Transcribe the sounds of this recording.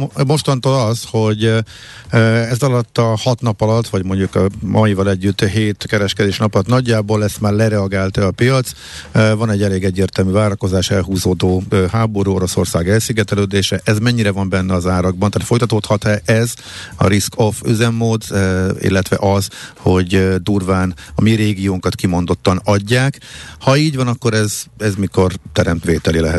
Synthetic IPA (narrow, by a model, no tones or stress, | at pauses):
mo̞ʃt̪ɒnt̪oːlɒsho̞ɟ | ɛzɒlɒt̪ːɒhɒt̪nɒpɒlɒt̪ːʋɒɟmo̞ɲɟukɒmɒjivɒlɛɟːyt̪ːɦeːt̪kɛɾɛʃkɛd̪eːʃnɒpɒlɒt̪nɒɟːaːboːlɛst̪maːrlɛɾɛɒɡaːlt̪ɛɒpijɒt̪s | vɒnɛɟːɛleːɡɛɟːeːrt̪ɛlmyvaːɾɒko̞zaːʃɛlɦuːzoːd̪oːɦaːbo̞ɾuoɾo̞so̞̰rsaːɡɛlsyɡɛt̪ɛløːd̪eːʃɛʔɛzmɛɲːiɾɛvɒmbɛnːɛɒzaːɾɒɡ̚bɒnt̪aːt̪fojt̪ɒt̪oːt̪hɒt̪ɛʔɛz | ɒ̰ɾiskʰoføzɛmːoːd̪ḭlːɛt̪ʋɛ̰ʔɒzho̞ɟd̪uːrvaːnɒmiɾeːɡijoːŋkɒt̪kimo̞nd̪o̞t̪ːɒnɒɟːaːkhɒiːɟvɒnɒkːo̞ɾɛzɛzmiko̞rt̪ɛɾɛmt̪ʋeːt̪ɛlilɛɦɛt̪